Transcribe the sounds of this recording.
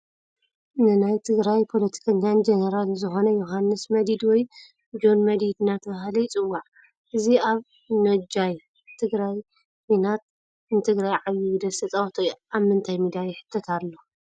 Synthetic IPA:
nɨnajt̪ʰɨɡɾajpʰo̞lɐt̪ʰi̥kʰɐɲːand͡ʒɐnɐɾalzɨxo̞nɐjoɦanːɨsmɐd̪id̪wɔj | d͡ʒo̞nmɐd̪id̪ɨnat̪ʰɐβahlɐjt͡sʼɨwːaʕ | ʔɨziaβ | nɐd͡ʒaj | t̪ʰɨɡɾaj | winat̪̚ | nɨt̪ʰɨɡɾajʕaβjiɨd̪ɐsɐt͡sʼawt̪ʰojamɨnt̪ʰajmɨd̪ajɛħɨ̥t̪ʰːɐt̪ʰalːo̞

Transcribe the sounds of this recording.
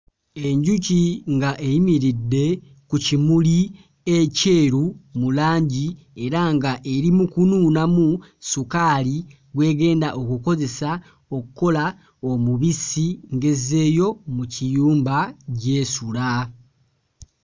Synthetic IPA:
e̞ɲɟuciŋɡaʔeimiɾidːe̞ | kucimuli | ece̞ɾumulaːɲɟi | e̞ɾaŋɡaʔe̞ɾimukununamusukali | ɡwe̞ːɡe̞ːndaʔo̞kuko̞ze̞sa | o̞kuko̞la | o̞muβisiŋɡe̞ze̞ːjo̞mucijuːmbaɟe̞ːsula

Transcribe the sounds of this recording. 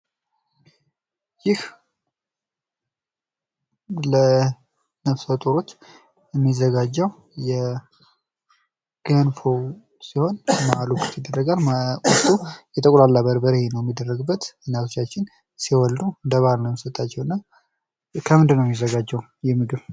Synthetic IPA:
jɪh | lə | nəβsət̪ʼoɾot͡ʃː | ɛmːizəɡad͡ʒːɛw | jɛ | ɡ̥ənfow | siho̞nmaalukʰut̪ʰid̪ːərːəɡalkʼɔt̪ʰʼːujɛt̪ʼəkʼlalːabəɾbəɾehenəwjɛmːid̪ːərːəɡɨbːət̪ɨnːjat̪ʰo̞t͡ʃːat͡ʃːɪn | siwɔld̪uɨnd̪əβalnəwjɛmsət̪ʼat͡ʃːɛwnːəw | kʰəmɨnd̪ɨnːəwjɛmːizːəɡad͡ʒːɛw | jɛmɨɡɨβ

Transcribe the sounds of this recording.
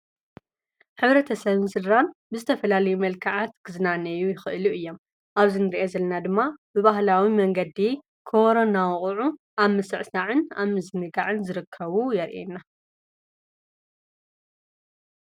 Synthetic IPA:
ħɨβɾɐt̪ʰɐsɐβɨnsɨlɾanbɨzɨt̪ʰɐfɐlalɐjumɐlkʰaʕat̪ɡ̥ɨzɨnanɐjujɪxɨʔluʔɨjːo̞m | ʔaβzinɨɾiʔezɐlɐnad̪ɨmːabɨβaɦlawimɐŋɡɐd̪i | kʰoɾonawχʼʕu | ʔaβmɨsɨʕsaʕɨna̰mɨzɨnɨɡaʕɨnzɨɾɨkʰːɐβujɛɾʔḛnːa

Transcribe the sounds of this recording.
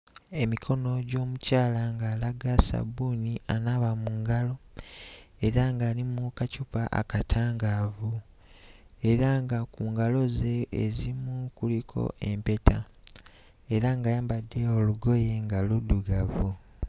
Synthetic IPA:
e̞mikʰo̞no̞ɟo̞ːmucaːlaŋɡaːlaɡasa̰bunianaβamuːŋɡalo̞ | e̞ɾaŋɡaːlimukacupaʔa̰katʰaːŋɡavu | e̞ɾaŋɡakuːŋɡalo̞ze̞ːzimukulikʰo̞̰ʔe̞mpe̞tʰa̰ | e̞ɾaŋɡajaːmbadːe̞oluɡo̞je̞ŋɡaluduɡavu

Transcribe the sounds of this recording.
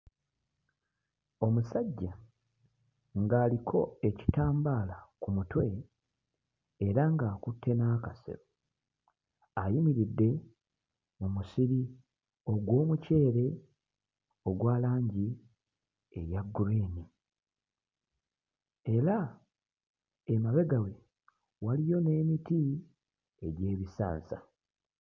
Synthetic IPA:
o̞musaɟːa | ŋɡaːlikʰo̞e̞ci̥taːmbaːlakumutwe̞ | eɾaŋɡaːkutʰːe̞naːkasḛɾo | ajimiɾidːe̞ | mumusiɾi | o̞ɡwo̞ːmuce̞ːɾe̞ | o̞ɡwaːlaːɲɟi | e̞̰jaɡuɾeni | e̞ɾa | emaβe̞ɡawe̞ | walijo̞ne̞ːmiti | e̞ɟe̞ːβisa̰ːnsa

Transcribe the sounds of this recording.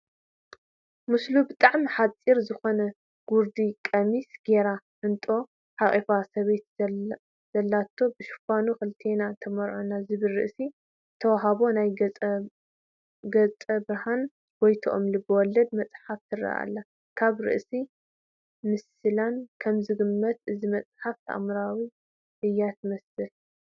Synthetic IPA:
mɨslubɨt̪ʼaʕmiħat͡sʼːiɾzɨxo̞nɐ | ɡ̥uɾd̪ikʼɐmisɡ̥e̞ɾa | ʔɨnt̪ʼo̞ | ħaχʼifasɐβe̞t̪ | z̥ɐlːat̪ʰːo̞bɨʃu̥fanuxɨlt̪ʰe̞nat̪ʰɐmɐɾʕonazɨβɨlːɨ̰ʔsi | t̪ʰɐwaɦaβo̞najʼ | ɡɐt͡sʼɐbɾɐhan | b̥ojt̪ʰoʔo̰mlɨbɐwɔlːɐd̪mɐt͡sʼħaft̪ʰɨɾɐ̰ʔa̰lːa | kʰaβɾɨ̰ʔsi | mɨs | ɨlankʰɐmzɨɡɨmːɐt̪ɨzimɐt͡sʼħaft̪ʰɐ̰ʔa̰mɾawi | ʔɨjːat̪ʰɨmɐsɨl

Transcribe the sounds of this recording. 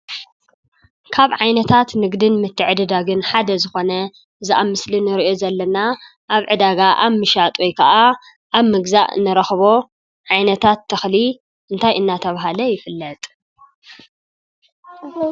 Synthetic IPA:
kʰaβʕajnɐt̪ʰat̪nɨɡd̪ɨnmɨt̪ʰːɨʕɨd̪ɨd̪aɡɨnħad̪ɐzɨxo̞nɐ | ɨzaʔamɨslinɨɾiʔozɐlːɐna | ʔaβʕɨd̪aɡaʔaβmɨʃat̪ʼojkʰɐʔa | ʔaβmɨɡzaʔɨ̰nɐɾɐxβo̞ | ʕajnɐt̪ʰat̪ʰːɐxli | ʔɨnt̪ʰajʔɨnːat̪ʰɐβaɦalɐjɪfɨlːɐt̪ʼ

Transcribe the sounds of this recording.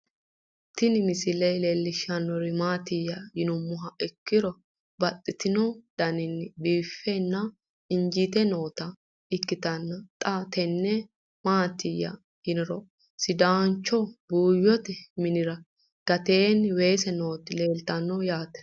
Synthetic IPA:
t̪ɪnɪmɪsɪlɛleːlːɪʃːɐnːɔɾɪmaːt̪ɪjɐjɪnʊmːʊɦɐɪkːɪɾɔ | bɐt̪ʼːɪt̪ɪnɔd̪̥ɐnɪnːbiːfɛnːɐ | ɪɲd͡ʒit̪ɛno̞ːt̪ɐ | ɪkːɪt̪ɐnːɐt̪ʼat̪ɛnːɛ | maːt̪ɪjːɐ̰ | jɪnɪɾɔ | sɪd̪aːnt͡ʃːɔbuːjːɔt̪ɛmɪnɪɾɐ | ɡ̥ɐt̪eːnwe̞ːsɛno̞ːt̪ɪle̞ːlt̪ɐnːɔjaːt̪ɛ̥

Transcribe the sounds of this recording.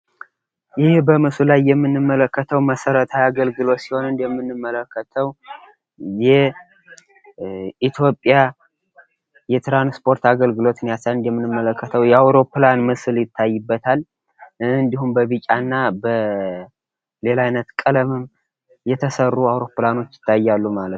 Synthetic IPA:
jɪhbəmɨsulajːɛmːɨnːɨmːələkːət̪ʰəwməsəɾət̪ʰaaɡəlɡɨlo̞t̪siho̞nɨnd̪jɛmːɨnːɨmːələkːət̪ʰəw | jɛ | ʔit̪ʰjo̞pʼja | jɛt̪ɾanspʰʼo̞ɾt̪aɡəlɡɨlo̞t̪ɨnijasalɨnd̪jɛmːɨnːɨmːələkʰːət̪ʰəwjɛawɾo̞planmɨsljɪt̪ʰːajːɨbːət̪ʰal | ɨnd̪ihumbəβit͡ʃʼanːabə | le̞lajnət̪kʼələmɨm | jɛt̪ʰəsərːuawɾo̞plano̞t͡ʃːjɪ̥t̪ːajːalːumalət̪

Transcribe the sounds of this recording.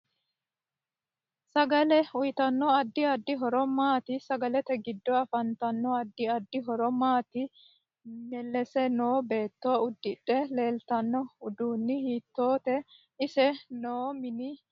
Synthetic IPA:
sɐɡɐlɛʊjt̪ɐnːɔɐd̪ːɪɐd̪ːɪɦɔɾɔmaːt̪ɪsɐɡɐlɛt̪ɛɡɪd̪ːɔɐfɐnt̪ɐnːɔɐd̪ːɪɐd̪ːɪɦɔɾɔmaːt̪ɪ | mɛlːɛsɛno̞ːbe̞ːt̪ːoːʊd̪ːɪɗɛle̞ːlt̪ɐnːɔʊd̪uːnːɪhiːt̪ːo̞ːt̪ɛ | ɪsɛnoːmɪnɪ

